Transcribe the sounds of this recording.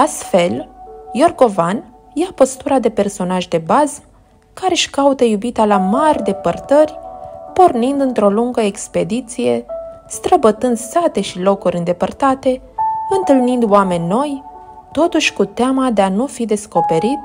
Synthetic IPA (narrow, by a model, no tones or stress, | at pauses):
ast̪fe̞ljo̞rɡo̞van | japo̞st̪uɾad̪e̞pe̞rso̞naʒd̪e̞baz | kaɾe̞ʃkaut̪əjubit̪alamarʲd̪e̞pərt̪ərʲpo̞rnind̪ɨnt̪ɾo̞luŋɡəekspe̞d̪it̪sije̞ | st̪ɾəbət̪ɨnd̪sat̪e̞ʃilo̞kuɾʲɨnd̪epərt̪at̪e̞ | ɨnt̪ɨlnind̪wame̞nʲːo̞j | t̪o̞t̪uʃʲkut̪eamad̪e̞anufid̪e̞sko̞pe̞ɾit̪